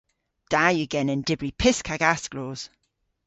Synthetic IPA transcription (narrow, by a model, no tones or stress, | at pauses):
d̥aːjəɡɛnə̃ndɪbɹipʰɪskʰaɡasɡ̥loːz̥